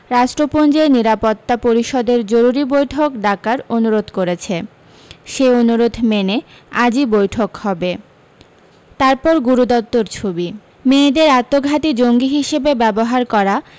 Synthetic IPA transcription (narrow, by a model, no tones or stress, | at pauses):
ɾaʃʈɾopond͡ʑeniɾapot̪ːapoɾiʃɔd̪eɾd͡ʑoɾuɾibojʈʰokɖakaɾonuɾod̪koɾet͡ɕʰe | ʃeonuɾod̪ʱmene | ad͡ʑibojʈʰokhɔbe | t̪aɾpɔɾɡuɾud̪ɔt̪̚ːoɾt͡ɕʰobi | med̪eɾat̪ːoɡʱat̪id͡ʑoŋɡiɦiʃebebɛboɦaɾkɔɾa